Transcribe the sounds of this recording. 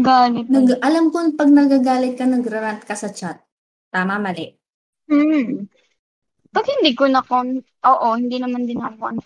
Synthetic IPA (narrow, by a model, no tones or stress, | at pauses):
ɡaːlɪt̪̚nɐɡʔɐlamkonpɐɡ̚nɐɡaɡaːlɪt̪̚kɐnɐɡɾɐɾant̪̚kɐsɐt͡ʃat̪̚ː | aːmɐmɐlɛʔ | m̩ | pɐɡ̚hɪnd̪ikonɐko | ʔoːʔohɪnd̪inɐmand̪ɪnakoʔɐn